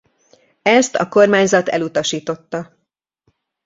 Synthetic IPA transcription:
ɛst̪ɒ̰ko̞rmaːɲzɒt̪ɛ̰lut̪ɒʃiːt̪o̞t̪ːɒ

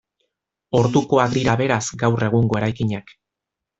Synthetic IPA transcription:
o̞ɾðuko̞ak̚d̪iɾaβe̞ɾasɡawre̞ɣ̞uŋɡo̞e̞ɾajkiɲak

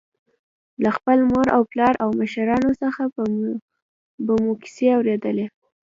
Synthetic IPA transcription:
laxpəlmoɾawplɑɾʔawməʃaɾɑnosəxa | bəmuki̥seawɾed̪əle

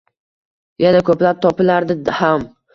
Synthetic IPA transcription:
janakʰɵplap̚t̪ʰɒpɪlaɾd̪ɪham

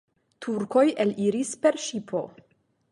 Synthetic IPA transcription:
tʰuɾko̞jʔeliɾispe̞ɾʃipʰo̞̰

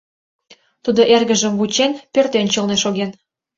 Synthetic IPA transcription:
t̪ud̪oʔerɣə̆ʒə̆mvut͡ɕenpørt̪ent͡ɕɤlneʃoɣen

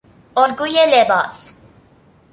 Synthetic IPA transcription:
ɔlɡujelebɑːs

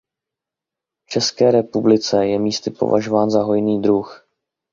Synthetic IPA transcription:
ft͡ʃɛskɛːɾɛpublɪt͡sɛjɛmiːst̪ɪpo̞̰va̰ʒovaːnzaɦo̞jniːd̪ɾux

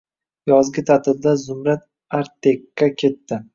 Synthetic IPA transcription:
jɒzɡʲɪt̪ʰat̪ʰɪb̚d̪azʊmɾat̪̚ | aɾt̪ʰekːakʲʰe̞t̪ːɪ

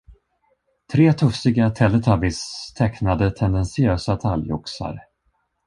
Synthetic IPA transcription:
t̪ʰɾeːt̪ʰɵfsɪɡat̪ʰɛlːət̪ʰabɪst̪ʰɛknad̪ət̪ʰɛnd̪ɛnsɪøːsat̪ʰaljɔ̰ksa̰ɾ

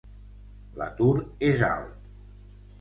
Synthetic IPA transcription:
la̰t̪uɾeza̰lˠt̪

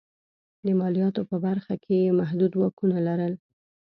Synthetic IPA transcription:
d̪əmɑlijɑt̪opəbaɾxakʰejemaɦd̪ud̪wɑkunalaɾəl

